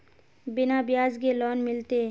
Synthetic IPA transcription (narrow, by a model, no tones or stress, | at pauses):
bɪnabɪjaːzkelɔːnmɪlt̪e